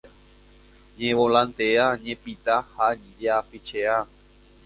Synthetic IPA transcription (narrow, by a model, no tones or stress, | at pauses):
ɲẽʋolãnt̪eaɲẽpit̪ahaɲĩd͡ʒeafit͡ʃea